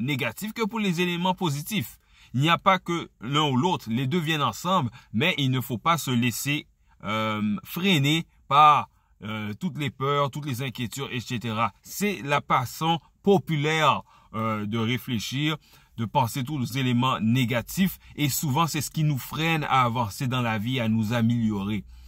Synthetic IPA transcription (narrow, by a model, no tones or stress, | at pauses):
neɡat̪ifkəpuʁlezelemɑ̃pozit̪if | ilnijapakəlɛ̃ulot̪χled̪øvjɛnɑ̃sɑ̃blmɛʔilnəfopasəlese | ømfʁene | paʁ | øt̪ut̪lepœʁt̪ut̪lezɛ̃kʲjet̪yd̪eset̪eʁasɛlafasɔ̃ | pɔpylɛʁ | ød̪əʁefleʃiʁ | d̪əpɑ̃set̪̬ulezelemɑ̃neɡat̪ifesuvɑ̃sɛsə̥kʲinufχɛna̰ːvɑ̃sed̪ɑ̃lavianuzameljɔʁe